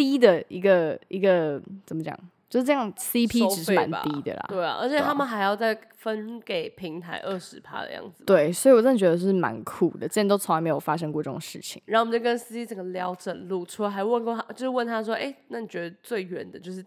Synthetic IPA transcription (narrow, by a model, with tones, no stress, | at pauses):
t̪i˥d̪ə˨i˧˥ɡə˨i˧˥ɡə˨t͡sə˨˩nmə˦t͡ɕjɑ̰˨˩ŋt͡ɕjo˥˧ʂ̩˥ʈ͡ʂə˥˧jɑ˥˩ŋsi˥pʰi˦˥˧ʈ͡ʂɻ̩˨ʂɻ̩˥˧˩m˨a̰˧˦n̰i˦˥d̪ə̰˨lɐ̰˩tḛ˥˩˨ʔə̰˞˧˥t͡ɕʰjɛ˨˩t̪ʰa˦˥mə˨xa˧˥ɪjɑ˥˧ʊt͡sa˥˩ɪfə˦nke˨˩ɪpʰi˧˦˥ŋt̪ʰa˧˥ɪʔə˥˩ʂɻ̩˧˥pʰa̰˥d̪ə̰˧˨jɑ̰˥˩ŋd͡z̩˨˩t̪we˥˩ɪswi˨wɔ˨˩ʈ͡ʂə˥˩ə˨˩t͡ɕɥɛ˧˥d̪ə˧jʂ̩˥˩ma̰˧˦nkʰu˨˩d̪ə̰˨˩ʈ͡ʂə˥˩jt̪o˥ʊ˧˥ŋa˧˥ɪme˧˥jo˨˩fa˥ʂ̬ə˥ŋkwɔ˥˧ʈ͡ʂə˥˩ʈ͡ʂo̰˨˩ŋʂɻ̩˥˩t͡ɕʰḭ˨˩ŋɻa˥˩ŋo˨mə˨˩t͡ɕo˥˩kə˦ns̩˥i˦˥t͡sə˨˩ŋɡə˦ljɑ˧˥ʊʈ͡ʂə˨˩nlu˥˩ʈ͡ʂʰu˥˧˥xa˧˥ɪwə˥˧nkɔ˥˩a˥t͡ɕjo˥˧ʊʂ̩˥wə˥˩nt̪ʰa˥ʂ̬wɔ˥ʔe˥˩ɪna˥˩ni˨˩t͡ɕɥɛ˧˥d̪ə˧t͡swe˥˩ɪɥɛ˧˥nd̪ə˩t͡ɕjo˥˧ʊʂ̬ɻ̩˥˩